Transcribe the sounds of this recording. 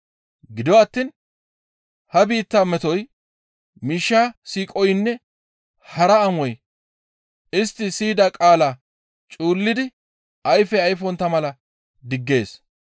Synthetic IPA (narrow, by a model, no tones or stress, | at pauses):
ɡɪd̪ɔwaːt̪ːiːn | hɐbiːt̪ːamɛt̪ɔj | miːʃːaːsiːkʼɔjnːɛ | hɐɾɐɐmɔj | ʔɪst̪ːɪsiːd̪ɐkʼaːlaː | t͡ʃʼuːlːɪd̪ɪ | ʔɐjfɛɐjfɔnt̪ɐmɐlɐ | d̪ɪɡːe̞ːs